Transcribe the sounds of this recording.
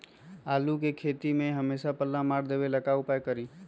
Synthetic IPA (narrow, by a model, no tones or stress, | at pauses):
aːlukekʰeːt̪imẽɦəmeːsapəlːãmaːɾd̪eːʋeləkaːupaːjkəɾiː